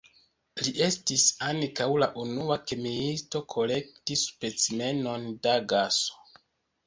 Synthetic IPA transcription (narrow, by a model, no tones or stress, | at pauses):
liʔe̞stisaŋkawlaʔunuakemiisto̞kʰo̞le̞k̚tispe̞t͡sime̞no̞ndaɡaso̞̥